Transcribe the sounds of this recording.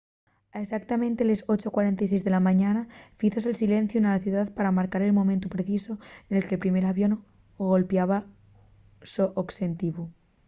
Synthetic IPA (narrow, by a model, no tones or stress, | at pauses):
aesak̚t̪amẽnt̪e̞lesot͡ʃokwaɾe̞nt̪ajsezðe̞lamãɲanafiθos̬elsilẽ̞n̟θjunalaθjuðaðpaɾamaɾkaɾe̞lmomẽnt̪opɾeθiso̞ene̞lkelpɾime̞ɾaβjono | ɣo̞lpjaβ̞a | soʔokse̞nt̪iβu